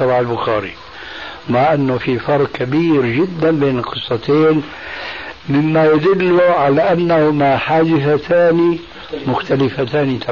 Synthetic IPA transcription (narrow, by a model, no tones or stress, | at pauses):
ɑbaːʕalbʊxaːɾḭ | maʕʔanːʊfifɑɾˤq̚kabiːɾd͡ʒɪd̪ːanbeːnlqɨsˤːɑt̪eːn | mɪmːajad̪ʊlːʊʕalaʔanːahʊmaħaːd̪ɪθat̪ʰaːni | mʊxt̪alɪfat̪aːnit̪ʰa